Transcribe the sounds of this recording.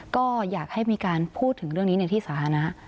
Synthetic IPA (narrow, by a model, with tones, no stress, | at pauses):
kɔː˥˩jaː˨˩k̚ha˥˩jmiː˧kaː˧npʰuː˥˩t̪ʰːɯ˩˦ŋɾɯ˥˩əŋniː˦˥na˧jt̪ʰiː˥˩saː˩˦t̪ʰa˧na˦˥ʔ